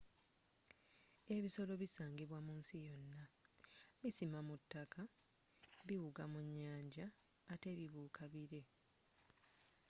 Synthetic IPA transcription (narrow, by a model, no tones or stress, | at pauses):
e̞βiso̞lo̞βisaːŋɡiβwamuːnsijo̞nːa | misimamutːaka | βiwuɡamuɲːaːɲɟaː | te̞ːβiβuːkʰaβiɾe̞